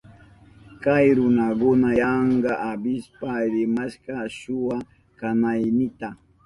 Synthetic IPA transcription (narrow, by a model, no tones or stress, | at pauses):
kajɾʊnakʊnajɑɴɢɑʔabɪspaɾɪmaʃkɑʃʊwa | kanajnɪt̪a